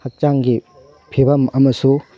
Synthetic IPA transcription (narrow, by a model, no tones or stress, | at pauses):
hɐk̚t͡ʃaŋɡi | pʰibɐmɐmɐsu